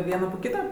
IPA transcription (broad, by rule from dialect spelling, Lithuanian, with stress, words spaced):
ˈʋʲiɛnɐ poː ˈkʲiːtɐ